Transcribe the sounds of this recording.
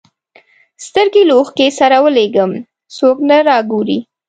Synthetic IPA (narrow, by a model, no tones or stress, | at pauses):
st̪əɾɡeloxkesaɾawəleɡəm | soknaɾɑɡoɾḭ